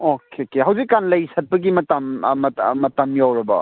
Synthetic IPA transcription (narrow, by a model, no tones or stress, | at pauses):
okʰekeɦɐwd͡ʒikːanlɐjsɐt̚pɐɡimɐtɐmɐmɐtɐmjawɾɐbɐ̰